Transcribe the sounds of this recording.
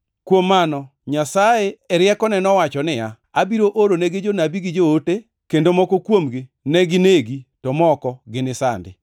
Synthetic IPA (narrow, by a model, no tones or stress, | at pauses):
kwomːanɔ | ɲasaeɛɾɪjɛkɔnɛnɔwat͡ʃɔnɪja | abiɾoʔoɾoneɡed͡ʒonabiɡɪd͡ʒoote | kendomɔkokwomɡɪ | nɛɡɪneɡitɔmɔkɔɡɪnɪsa̰ndɪ̰